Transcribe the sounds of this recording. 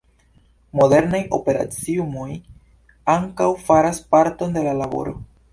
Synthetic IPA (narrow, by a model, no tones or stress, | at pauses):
mo̞de̞ɾnajo̞̰pe̞ɾa̰t͡siumo̞j | aŋkawfaɾaspaɾto̞nde̞lalabo̞̰ɾo